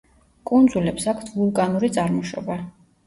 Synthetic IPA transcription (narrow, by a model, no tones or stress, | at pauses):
kʼund̪zulɛpsakʰt̪ʰvulˠkʼanuɾit̪sʼaɾmɔʃɔ̰ba